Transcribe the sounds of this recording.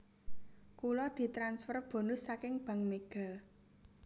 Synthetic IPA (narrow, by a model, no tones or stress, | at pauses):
kulɔd̪̥i̤t̪ɾansfərb̥o̤nʊsːakɪŋb̥a̤ŋmeɡ̥a̤